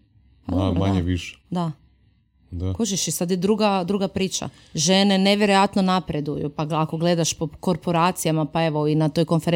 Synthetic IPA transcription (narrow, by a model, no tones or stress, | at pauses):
pad̪obmaɲeʋiʃe̥d̪a | d̪akoʒiʃisad̪jed̪ɾuɡad̪ɾuɡapɾiːt͡ʃa̰ | ʒe̞ne̞neʋjeɾojat̪nonapɾe̞d̪ujṵpaɡako̞ɡle̞d̪aʃpoko̞ɾpoɾaːt̪sijamapae̞ʋoinat̪o̞jko̞nfeɾ